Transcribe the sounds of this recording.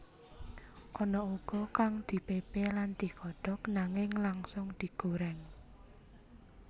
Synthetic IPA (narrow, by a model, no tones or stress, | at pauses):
ʔɔnɔuɡ̥ɔ̤kaŋd̪̥i̤pepeland̪̥i̤kɔɖ̥ɔ̤knaŋɪŋlaŋsʊŋd̪̥i̤ɡ̥oɾɛŋ